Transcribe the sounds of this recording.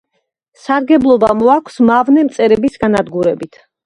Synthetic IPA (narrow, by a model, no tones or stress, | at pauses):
saɾɡɛblˠɔbamɔakʷʰsmavnɛmt̪sʼɛɾɛbisɡanad̪ɡuɾɛbit̪ʰ